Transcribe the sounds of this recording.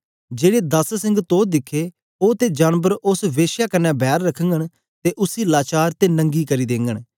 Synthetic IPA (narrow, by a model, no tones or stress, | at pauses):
d͡ʒeːɽeːd̪əssɪ̃ŋɡt̪oːd̪ɪkʰːeː | oːt̪eːd͡ʒaːnbəɾʊsʋeːʃjaːkənɛ̃ːbʱɛːɾːəkʰəŋɡəɳ | t̪eːʔʊsiːlaːt͡ʃaːɾt̪eːnə̃ŋɡiːkəɾiːd̪ẽːŋɡəɳ̃